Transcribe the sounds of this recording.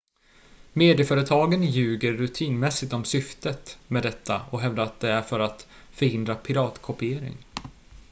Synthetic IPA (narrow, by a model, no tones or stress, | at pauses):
meːd̪ɪəfœːɾət̪ʰɑːɡənjʉ̟ːɡəɾːɵt̪ʰiːnmɛsːɪt̪ɔmsʏft̪ət̪mɛd̪ɛt̪ʰːa̰ɔɦɛvd̪aɾat̪̚d̪ɛæɾfœɾat̪ | fœɾhɪnd̪ɾapʰɪɾɑːt̪kʰɔpɪeːɾɪ̰ŋ